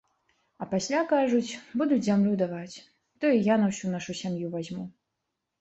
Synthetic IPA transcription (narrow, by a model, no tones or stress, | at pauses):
ɐpasʲlʲakaʐut͡sʲbud̪ut͡sʲzʲamlʲud̪avat͡sʲ | t̪ɔjijanɐwsʲunaʂusʲamjuvazʲmu